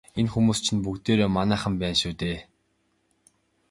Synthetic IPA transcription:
enxumuːst͡ɕʰĭnp̬ukt̪eːɾoːmanæːχə̆mpæːnʃuːt̪eː

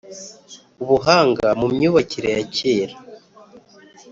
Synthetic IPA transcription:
uβuɦaːŋɡamumɲuːβaciɾejaceːɾa

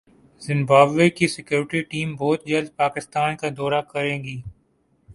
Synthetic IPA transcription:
zɪ̃mbaːbʋekisɪkjoːɾɪʈiʈiːmbɔːt̪̚d͡ʒɐld̪̚paːkɪst̪aːnkad̪ɔːɾakɐɾẽːɡiː

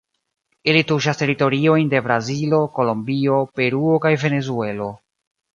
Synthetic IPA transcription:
ilituʃaste̞ɾito̞ɾio̞jnde̞bɾazilo̞ko̞lo̞mbio̞pe̞ɾuokajve̞ne̞zue̞lo̞

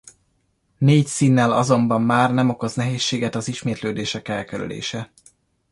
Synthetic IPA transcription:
neːcsiːnːɛlɒzo̞mbɒmːaːrnɛmo̞ko̞znɛɦeːʃːeːɡɛt̪ɒziʃmeːt̪løːd̪eːʃɛkɛlkɛɾy̰lḛːʃɛ

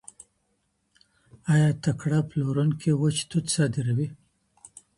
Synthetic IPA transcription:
ajɑt̪akɽaploɾunkʰewət͡ʃt̪ut̪sɑd̪ɪɾawi

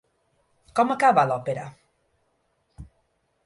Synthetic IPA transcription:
kɔmakaβalɔpeɾa

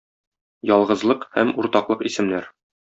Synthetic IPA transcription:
jɒlˠʁɤ̆zlˠɤqhæmuɾt̪ɑqlˠɤqisɘ̆mnæɾ

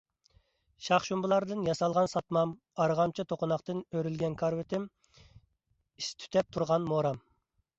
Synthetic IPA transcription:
ʃɑχʃumbɨlˠɑɾd̪ɨnjɑsɑlˠʁɑnsɑt̪mɑm | ɑɾʁɑmt͡ʃʰɑt̪ʰoqʊnɑχt̪ɨnøɾylɡʲɛnkʰɑɾwɪt̪ʰɪm | ist̪ʰy̥t̪ʰɛp̚t̪ʰuɾʁɑnmoɾɑm

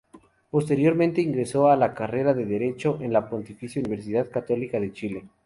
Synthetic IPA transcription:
po̞st̪e̞ɾjo̞ɾmẽnt̪e̞iŋɡɾe̞so̞alakare̞ɾaðe̞ðeɾe̞t͡ʃo̞ʔenlapo̞nt̪ifisjouniβe̞ɾs̬iðaðkat̪o̞likaðe̞t͡ʃile̞

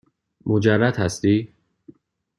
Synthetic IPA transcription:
mʔod͡ʒærːæd̪hæst̪iː

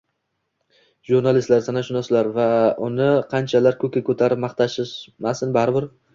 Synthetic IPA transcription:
ʒuɾnalɪst̪laɾsanaʃʊnasɪlaɾvaʊnɪqʰɑnt͡ʃʰalaɾkʰɵkʲakʰɵt̪ʰaɾɪpmɑχt̪ʰaʃɪʃmasɪnbaɾɪbɪɾ

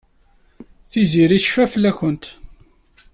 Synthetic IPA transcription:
θiziɾiθʃfæfəlːæçənt̪

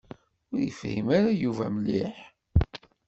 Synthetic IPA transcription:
ʊɾjəfhḭmaɾajuvæməlːiħ

